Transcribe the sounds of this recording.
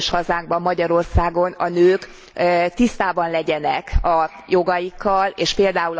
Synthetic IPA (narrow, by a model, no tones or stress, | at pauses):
ʃhɒzaːŋɡ̚bɒmːɒɟɒɾo̞rsaːɡo̞nɒnøːk | t̪ist̪aːbɒnlɛɟɛnɛkɒ | jo̞ɡɒjikːɒleːʃpeːld̪aːul